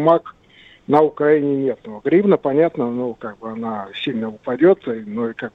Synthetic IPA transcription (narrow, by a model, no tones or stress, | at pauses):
mak | nəʊkɾɐinʲɪnʲe̞t̪noɡɾʲibnəpɐnʲat̪nənokaɡ̚bɨɐnasʲilʲnəʊpɐdʲot̪ənoikaɡ̚bɨ